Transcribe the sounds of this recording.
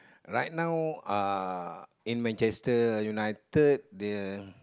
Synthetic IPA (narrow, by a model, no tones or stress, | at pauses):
ɹajt̚nãwa | ĩnmɛ̃nt͡ʃɛstəjunajtəd̚dɛ